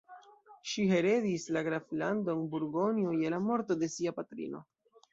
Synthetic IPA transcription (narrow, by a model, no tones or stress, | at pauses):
ʃiɦe̞ɾe̞dislaɡɾaflando̞nbuɾɡo̞niojelamo̞ɾto̞de̞siapatɾḭno̞̰